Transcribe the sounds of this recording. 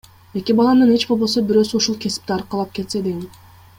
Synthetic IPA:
e̞kʲibɑlˠɑnɯne̞t͡ʃbo̞lˠbo̞sobiɾø̞ːsyuʃulˠkʰe̞si̥p̚t̪iɑɾqɑlˠɑp̚ke̞t̪se̞d̪eɡi

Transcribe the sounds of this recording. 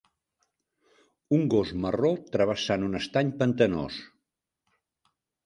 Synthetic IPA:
uŋɡozmərot̪ɾəβ̞əsanunəst̪aɲpənt̪əno̰s

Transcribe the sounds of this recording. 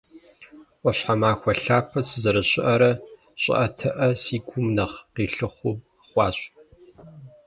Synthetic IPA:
ɔɕħamaːxʷɐɬaːpʰɐsɨzɐɾɐɕʼɪʔɐɾɐ | ɕʼɪ̰ʔɐtʰɐʔɐsiːɡʷʊmnɐʁqiːɬɨχʷuː | χʷɑːɕ

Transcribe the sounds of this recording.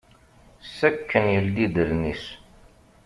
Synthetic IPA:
sækʰːənjəld̪id̪əɾnis

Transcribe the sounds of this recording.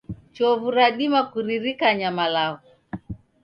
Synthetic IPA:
t͡ʃɔvuɾaɗimakuɾiɾikaɲamalaɣu

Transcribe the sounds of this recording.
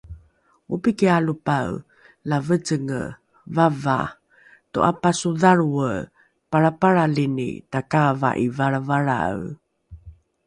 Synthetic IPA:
upikialupaw | lavət͡səŋə̰ | vava̰ | to̰ʔapasuðaɾuə | paɾapaɾalinḭtakava̰ʔivaɭavaɾa̰w

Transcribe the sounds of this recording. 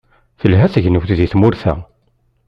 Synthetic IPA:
θəlɦæθəʝnuwθðiθmʊɾθæ̰

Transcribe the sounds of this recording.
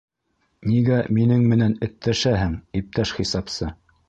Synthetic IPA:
niɡæminɘŋmɘ̆nænɘ̆t̪ːæʃæhɘŋip̚t̪æʃχisɑpsɤ

